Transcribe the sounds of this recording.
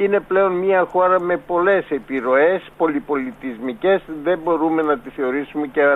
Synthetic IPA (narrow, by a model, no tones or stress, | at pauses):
ine̞ple̞o̞nmiɐxo̞ɾɐme̞po̞le̞se̞piɾo̞e̞spo̞lipo̞lit̪izmice̞sðe̞mbo̞ɾume̞nɐt̪isθe̞o̞ɾisume̞ce